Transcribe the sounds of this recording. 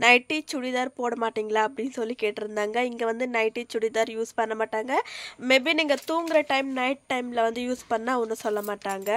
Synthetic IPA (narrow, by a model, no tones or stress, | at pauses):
nɐɪʈːit͡ʃʊɽiðaːɾpoːɽɐmaːʈːiːŋɡɐɭaːɐpːɐɽɪnːsɔlːikeːʈːɪɾɯnd̪aːŋɡɐɪŋɡeʋɐnd̪ɯnɐɪʈːit͡ʃʊɽɪðaːɾjuːspɐɳːɐmaːʈːaːŋɡɐmeːbiniːŋɡɐt̪uːŋɡɪɾɐʈɐɪmnɐɪʈ̚ʈːɐɪmlɐʋɐnd̪ɯjuːspɐnːaːɔnːɯsɔlːɐmaːʈːaːŋɡɐ